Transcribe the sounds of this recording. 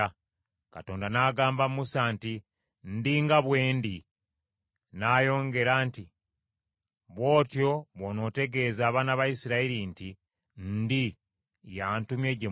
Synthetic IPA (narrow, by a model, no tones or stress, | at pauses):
kato̞ːndanaːɡaːmbammusaːnti | ndiŋɡaβwe̞ːndi | naːjo̞ːŋɡe̞ɾaːnti | βwo̞ːtjo̞βono̞ːte̞ɡe̞ːzaːβaːnaβajisiɾaiɾinti | ndi | jaːntumje̞ːɟe